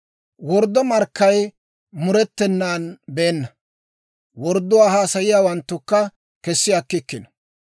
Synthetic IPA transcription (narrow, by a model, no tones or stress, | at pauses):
wɔɾd̪ɔmɐɾkːɐj | mʊɾɛt̪ːɛnːaːnbeːnːɐ | wɔɾd̪ːʊwaːhaːsɐjɪjaːwɐnt̪ːʊkːɐ | kɛsːɪjakːɪkːɪnɐ